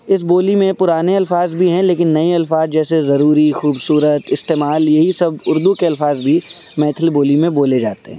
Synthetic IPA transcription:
ɪs̬boːlimẽpʊɾaːneɐlfaːzbʱiɦɛ̃leːkɪnːɐiɐlfaːzd͡ʒɛːsezɐɾuːɾixuːbsuːɾət̪ɪst̪eːmaːljɐɦisɐbʊɾd̪ukeɐlfaːzbʱi | mɛ̃ːt̪ʰəlboːlimẽboːled͡ʒaːt̪eɦɛ̃ː

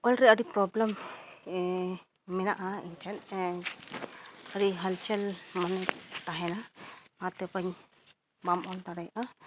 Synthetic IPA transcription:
ɔlɾɛəɾipɾɔblɛm | ɛnaʔaḭntʰɛn | əɾiɦəlt͡ʃɛlmanɛt̪aɦɛnamat̪ɛpaɲ | bamɔld̪aɽajʔa

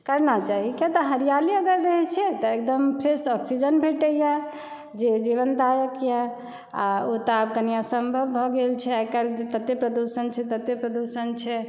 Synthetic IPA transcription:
kəɾnat͡ʃaɦiket̪əɦəɾijaliəɡəɾːəɦɛt͡ʃʰɛt̪ɔekd̪əmpʰɾesɔksid͡ʒənbʱeʈəja | d͡ʒed͡ʒiʋənd̪ajəkja | a̰ot̪abɡənijasəmbʱəbbʱɔɡelt͡ʃʰɛaikald͡ʒet̪ət̪ːepɾəd̪usənt͡ʃʰɛt̪ət̪ːepɾəd̪usənt͡ʃʰɛ

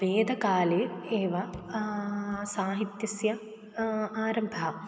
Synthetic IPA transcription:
ʋeːd̪ʱɐkaːleeːʋɐ | saːɦit̪jɐsjɐ | aːɾɐmbʱɐ

